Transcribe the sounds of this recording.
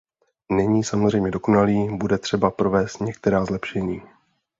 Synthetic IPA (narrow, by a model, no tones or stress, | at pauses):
nɛɲiːsamozrɛjmɲɛdo̞ko̞naliːbudɛt̪r̥ɛbapɾo̞vɛːst̪ɲɛk̚t̪ɛɾaːzlɛpʃɛɲiː